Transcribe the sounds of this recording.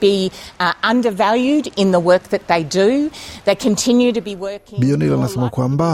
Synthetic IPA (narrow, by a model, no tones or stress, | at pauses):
b̥i | ʌ̃ndə˞vælˠjʉɾɪ̃nðəwɜ˞k̚ðɨt̪̚ðeɪdʉðeɪkʰɨ̃ntʰɪ̃njʉɾɨbiwɜ˞kɪ̃bionilanasamakʰwamba